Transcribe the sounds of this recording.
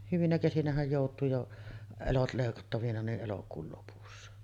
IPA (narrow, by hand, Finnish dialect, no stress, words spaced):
hyʋinæ kesinæhæj joˑutˑuː jo elot leˑikɑtːɑʋinɑ niʔ ʔelokuːl lopusːɑ